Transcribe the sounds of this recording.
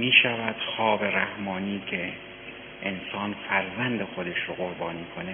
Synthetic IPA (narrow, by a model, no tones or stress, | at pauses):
miːʃævæd̪̥xɒːbe̞ɾæhmɒːniːkʰe̞ | ʔensɒːnfæɾzænd̪exod̪eʃɾoɣoɾbɒːniːkʰone